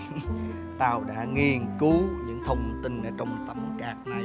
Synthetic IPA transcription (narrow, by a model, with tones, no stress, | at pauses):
t̪aː˨˩wɗa̰ː˧˥ŋi˨˩ənkɨ˨˦ɲɨ̰˧˥ŋt̪ʰə˧wŋ͡mt̪ï˧˩nʔəː˧˩t͡ɕɔ˧wŋ͡mm˨˩t̚t̪ə˧m˨kaː˨˩k̚ŋa˨˩